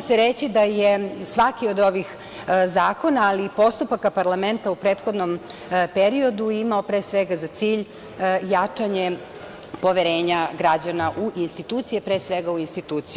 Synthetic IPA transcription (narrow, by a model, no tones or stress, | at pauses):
seɾet͡ɕid̪ajesʋakiod̪o̞ʋix | zaːko̞naːlipo̞st̪upakapaɾlame̞nt̪aupɾeːt̪xo̞d̪nompeɾio̞d̪uimao̞pɾeːsʋeɡazat̪siːʎ | jat͡ʂaɲe | po̞ʋeɾeːɲaɡɾad͡ʑanaʔuʔinst̪it̪uːt̪sijepɾesʋeɡauinst̪it̪uːt̪siju